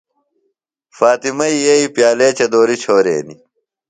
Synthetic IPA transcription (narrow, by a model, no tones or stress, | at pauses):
faːt̪imɐijɐipjaːleːt͡ɕɐd̪oːɾit͡ɕʰoːɾḛːni